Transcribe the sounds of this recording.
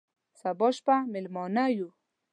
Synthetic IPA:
sabɔʃpamɪlmɑnaju

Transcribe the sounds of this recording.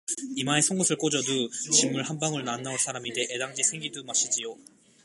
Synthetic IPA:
imaesʰʌŋɡosʰɯɭk͈od͡ʑʌdut͡ɕimːuɭhambaŋɯɭnanːaos͈ʰaɾaminde̞ʔedaŋd͡ʑisʰeŋɡidumaɕ͈id͡ʑijo

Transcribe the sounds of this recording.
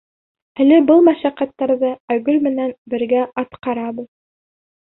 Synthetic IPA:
ælɘbɤlˠmæʃæqæt̪ːɑɾðɤæɡɵlmɘ̆nænbɘ̆ɾɡæɑt̪qɑɾɑbɤð

